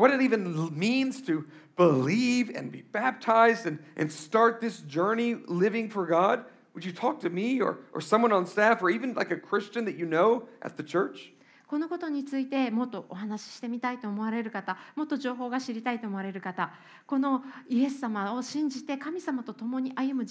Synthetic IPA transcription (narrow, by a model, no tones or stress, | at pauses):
wʌɾɨɾivɨ̃nmĩnz̥tʰɨ | b̥əlivɨ̰̃nbḭbæp̚tʰaɪzdɨ̃nʔɨ̰̃nstɑɹt̪̚ðɪsd͡ʒɜ˞nilɪvɪ̃ŋfə˞ɡɑd̚ | wəd͡ʒɨtʰɔk̚tʰɨmiə̰˞ʔə̰˞sʌ̃mwʌ̃nə̃nstæfə˞ivɨ̃nla̰ɪkɨkʰɹ̥ɪst͡ʃɨ̃nðɨt͡ʃɨnoʊʔɨ̰t̪̚ðɨt͡ʃʰɜ˞t͡ʃ | ko̞no̞ko̞t̪o̞ɲ̟it͡sɨit̪e̞mo̞t̪ːo̞ʔoɦanaɕi̥ɕi̥t̪e̞mʲit̪ait̪o̞ːmo̞βaɾe̞ɾɯ̟kat̪amo̞t̪ːo̞ʑo̞ːɦo̞ːɡaɕiɾʲit̪ait̪o̞ːmo̞aɾe̞ɾɯ̟kat̪a | ko̞no̞ie̞sːamao̞ɕĩɲ̟d͡ʑit̪e̞kamʲisamat̪o̞t̪o̞mo̞ɲ̟iʔajɯ̟mɯ̟